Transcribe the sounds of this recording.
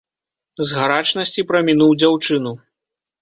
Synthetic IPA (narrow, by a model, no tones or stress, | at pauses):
zɣaɾat͡ʂnɐsʲt͡sʲipɾɐmʲinuwd͡zʲawt͡ʂɨnu